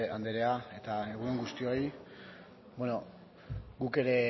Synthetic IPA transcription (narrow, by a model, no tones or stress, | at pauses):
and̪eɾe̞ae̞t̪ae̞ɣ̞uneŋɡust̪io̞j | beno̞ | ɡuke̞ɾe̞